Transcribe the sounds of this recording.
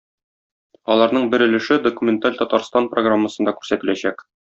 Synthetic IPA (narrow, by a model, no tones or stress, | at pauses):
ɒlˠɑɾnɤɴbɘ̆ɾɘ̆lɘ̆ʃɘd̪okumʲent̪alʲt̪ɒt̪ɑɾst̪ɑnproɡramːəsɤ̆nd̪ɑkʉɾsæt̪ɘ̆læɕæk